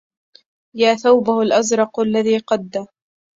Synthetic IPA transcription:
jaːθawbahalʔazɾˤɑqalːaðiːqɑd̪ːa

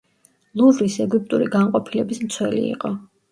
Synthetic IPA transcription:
lˠuvɾisɛɡyp̚ʼt̪ʼuɾiɡanqʼɔpʰilɛbismt̪sʰwɛlḭḭqʼɔ

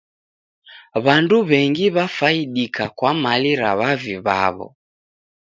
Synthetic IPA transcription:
βanduβɛŋɡiβafaiɗikakwamaliɾa̰βaviβa̰βɔ̰

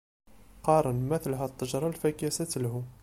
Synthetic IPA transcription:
qɑɾˤənməθlɦæt̪ˤːɑʒɾˤɑlfækæsæt̪lɦu

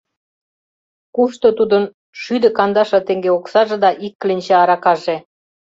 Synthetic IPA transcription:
kuʃt̪ot̪ud̪ə̆n | ʃyd̪ə̆kɑnd̪ɑʃɑ̆t̪eŋɡeoksɑʒed̪ɑʔikːlenʲt͡ɕeɑɾɑkɑʒe

